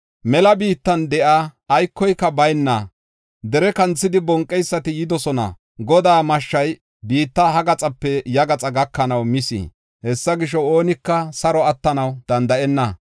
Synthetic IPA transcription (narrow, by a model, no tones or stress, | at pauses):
mɛlɐbiːt̪ːɐnd̪ɛʔaːjkːɔjkːɐbɐjnːɐ | d̪ɛɾɛkɐnt͡sːɪd̪ɪbɔŋkʼːɛjsːɐt̪ɪjɪd̪ɔsɔnɐ̰ | ɡɔd̪aːmɐʃːɐj | biːt̪ːɐɦɐɡɐt͡sʼɐpːɛjɐɡɐt͡sʼɐɡɐkːɐnɐwmɪsḭː | hɛsːɐɡɪʃɔo̞ːnɪkːɐsɐɾɔɐt̪ːɐnɐwd̪̥ɐnd̪ɐʔɛnːɐ